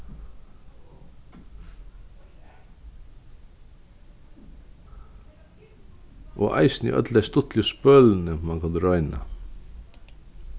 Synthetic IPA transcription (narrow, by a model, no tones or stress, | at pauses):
ʔo̰ːʔæ̰ɪsnḭʔœ̰d̪læɪst̪ʊt̪ʰlɪspœːln̩əmɑnkʰɑnd̪ɾœʏnɑ̰